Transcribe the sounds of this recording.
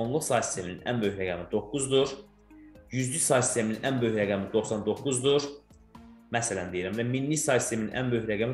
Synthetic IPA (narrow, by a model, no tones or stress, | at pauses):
onlˠuχsɑːst̪e̞mininʔæ̰nbøjçɾæɡæmid̪o̞kːuzd̪uɾ | jyzd̪ysɑːsi̥st̪ʰemininʔænbøçɾæɡæmid̪o̞xsɑnd̪okːuzd̪uɾ | mæsælænd̪ejiɾæmvæminːisɑːsist̪emininʔæ̰nbøjɾæɡæmi